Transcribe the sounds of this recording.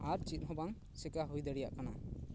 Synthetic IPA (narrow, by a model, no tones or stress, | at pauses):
aɾt͡ʃit̪̚ˀɦɔbaŋ | sɛkaɦujd̪ɛɽija̰ʔkana